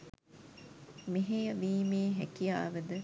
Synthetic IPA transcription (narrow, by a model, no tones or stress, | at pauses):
meɦejəʋiːmeːɦækijaːʋəd̪ə